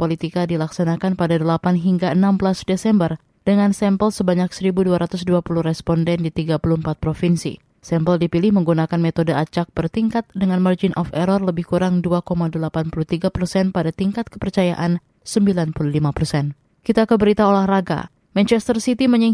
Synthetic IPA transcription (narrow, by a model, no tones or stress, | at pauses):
polit̪ikadilaksanakanpadadəlapanɦiŋɡaənambəlasdesɛmbər | d̥əŋansɛmpəlsəbaɲak̚səɾibuduaɾʔat̪ʊsduapuluhrɛspɔndɛndit̪iɡapuluhəmpat̪̚pɾofinsḭ | sɛmpəldipilɪhməŋɡunakanmet̪odəʔat͡ʃak̚b̥ərt̪iŋkat̪̚dəŋanmard͡ʒɪnʔɔfɛɾɔrləbɪhkuɾaŋduakomadəlapanpulut̪iɡapərsɛnpadat̪iŋkat̪̚kə̥pərt͡ʃaja̰ʔan | səmbilanpuluhlimapərsɛn | kit̪akəbəɾit̪aolahraɡa̰ | mɛnt͡ʃɛst̪ərsit̪iməɲə